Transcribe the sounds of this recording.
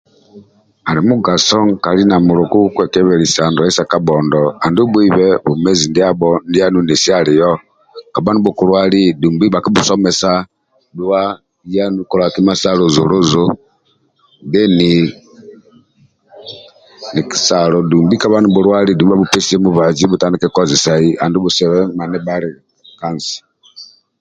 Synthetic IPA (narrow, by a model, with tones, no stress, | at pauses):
a˨li˨mu˦ɡa˨sɔ˦ŋka˨li˦na˨mu˨ɾo˨ku˦kwɛ˨kɛ˦βɛ˨ɾi˨sa˨ndu˨˦i˦sa˨ka˨bɔ˨ndɔ˨a˨ndu˦bwi˦βɛ˦βu˨mɛ˦zi˨ndi˦a˦bɔ˦ndi˦a˦nu˦ne˨si˦a˦li˨jɔ˦ | ka˨βa˦nu˦bu˨ku˦ɾwa˦li˦du˨mbi˦βa˨ki˦βu˨sɔ˦mɛ˨sa˦ | dwa˦ | ja˦nu˦ku˨ɾa˨ki˦ma˦sa˦ɾo˨zu˨ɾu˦zu˦ | nde˦ni˨ | ni˨ki̥˨sa˨ɾɔ˨du˨mbi˦ka˦βa˦nu˨bu˨ɾwa˦ɾi˦du˨i˦a˦βu˦pe˦si˦ɛ˦mu˦βa˨d͡ʒi˦βu˨ta˦ni˦kɛ˦kɔ˦zi˨sa˨i˦a˨ndu˦βu˨sɛ˨βɛ˦ma˨nɛ˦ba˦ɾi˨ | ka˦˨n˨si̥˨